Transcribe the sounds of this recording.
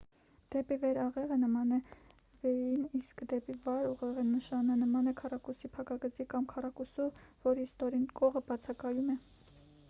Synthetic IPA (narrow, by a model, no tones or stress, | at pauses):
d̪̥ɛpivɛɾɑʁɛʁənəmɑnɛ | vɛjiniskd̪ɛpivɑɾuʁɛʁɛnəʃɑnənəmɑnɛkʰɑrɑkusipʰɑkɑɡəd͡zikɑmkʰɑrɑkusuvɔɾist̪ɔɾinkɔʁəbɑt͡sʰɑkɑjumɛ